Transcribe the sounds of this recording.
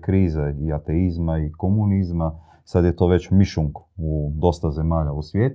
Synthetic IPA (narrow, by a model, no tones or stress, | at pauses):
kɾiːzeiat̪eizmaikomunizma | sad̪jet̪o̞ːʋe̞t͡ɕmiʃuŋkud̪o̞st̪aze̞maːʎausʋjeːt̪